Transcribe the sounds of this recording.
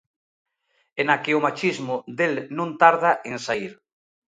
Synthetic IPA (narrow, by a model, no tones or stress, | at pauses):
enakeʊmat͡ʃizmʊðd̪elnũnt̪aɾð̞aʔensaiɾ